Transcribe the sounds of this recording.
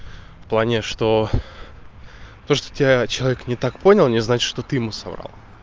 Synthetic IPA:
fplˠanʲɪʂt̪o̞ | t̪o̞ʂt̪o̥tʲɪbʲat͡ɕɪlˠɐvʲeknʲɪt̪akpo̞nʲɪlˠnʲɪznat͡ɕɪ̥ʂt̪ot̪ɨjɪmusɐbɾa̰lˠ

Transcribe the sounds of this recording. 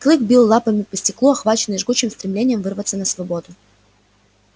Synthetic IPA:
klˠɨkbʲilˠːapəmʲɪpəsʲtʲɪklˠuɐxvat͡ɕɪnːɨʐɡut͡ɕɪmst̪ɾʲɪmlʲenʲɪjəmvɨrvət̪sənəsvɐbod̪ʊ

